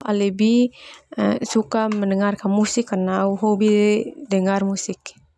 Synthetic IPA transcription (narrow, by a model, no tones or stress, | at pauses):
a̰lɛbi | sukamənəŋarkanmusikːanauɦobidɛdɛŋarmusɪk